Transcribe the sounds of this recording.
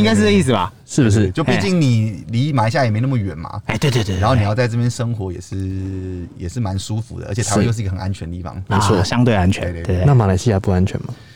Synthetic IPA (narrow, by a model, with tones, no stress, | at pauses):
i˥ŋka˥ɻ̩˥˩ə˩˦i˥˩s̬̩˩bɐ̰˩ | ʂɻ̩˥˩bu˩ʂ̬ɻ̩˥˩t͡ɕjo˥˧ʊpi˥˧t͡ɕi˥˩ŋni˨˩li˧˦ma˨˩i˧˥ɕja˥˩jɛ˨˩me˧˥ɪn˥˩mə˨ɥɛ˨˩nma̰˨˦˧t̪we˥˧t̪e˥˧˩t̪e˥˧˩nxo˥˩ni˨jɑ˥˧ʊt͡sa˥˧ɪʈ͡ʂɤ˥˩p̬jɛ˥nʂɤ˥ŋxwɔ˨˧˥jɛ̰˨˩ʂɻ̩˥˩jɛ˨˩ʂɻ̩˥˩ma˧˦nʂu˦fṵ˨˦d̪ə̰˦ə̰˧˥t͡ɕ̪ʰa˧˦˥jʂ̬ɻ̩˥˧ɡə˨xə˨˩nʔa˦nt͡ɕʰɥɛ˧˦ndə˦t̪i˥˩fɑ̰˧ŋme˧˥t͡sʰwɔ˥˩ɕjɑ˦ŋt̪we˥˩ɪa˦nt͡ɕʰɥɛ̰˧˥˧e˥˧e˥˧˨na˥˧˨ma˨˩la˧˥ɪɕi˧˥ja˥˧˩pu˥˧a˦nt͡ɕʰɥɛ̰˨˦nmɐ˨